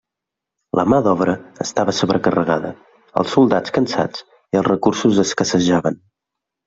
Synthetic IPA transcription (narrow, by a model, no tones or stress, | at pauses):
lʔəmaðɔβ̞ɾəːst̪aβəsoβɾəkərəɣaðə̰ | ə̰lˠsːulˠd̪at͡skənsa̰d͡z | iəlˠzrəkuɾsuzəskəsəʒaβən